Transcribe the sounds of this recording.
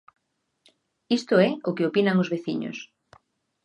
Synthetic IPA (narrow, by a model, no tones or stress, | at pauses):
ist̪oɛokɪopinaŋozβeθiɲo̰s